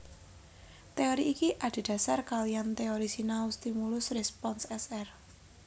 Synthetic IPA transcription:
t̪eoɾiʔikiʔad̪̥i̤d̪̥ä̤sarkalijant̪eoɾisinaust̪imulʊsrespɔnsɛsɛr

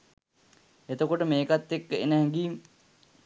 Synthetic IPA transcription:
et̪əkoʈəmeːkat̪ːekːəḛnəɦɛŋɡiːm

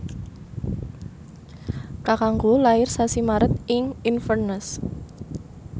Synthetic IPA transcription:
kakaŋɡolaɪrsasimaɾət̪̚ɪŋinfərnəs

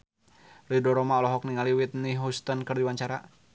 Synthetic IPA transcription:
ridɔɾɔmaɔlɔɦɔk̚niŋaliwit̪̚niɦust̪ɔnkɨrd̪iwaɲt͡ʃaɾa̰

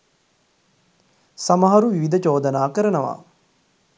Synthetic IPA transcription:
sɐmɐɦɐɾuʋiʋid̪ʱɐt͡ʃoːd̪ɐnaːkəɾənəʋa̰ː

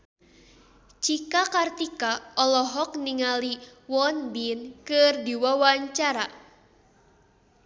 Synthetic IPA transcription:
t͡ʃikakart̪ikaɔlɔɦɔk̚niŋaliwɔnbinkɨrdiwawaɲt͡ʃaɾa

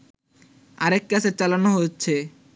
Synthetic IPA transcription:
aɾekːat͡ɕʰet͡ɕalanoɦotːɕʰe

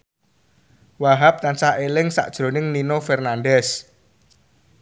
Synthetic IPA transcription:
waɦap̚t̪ansaʔelɪŋsa̰ʔd̥ʒ̥ɾo̤nɪŋninofɛrnandɛs

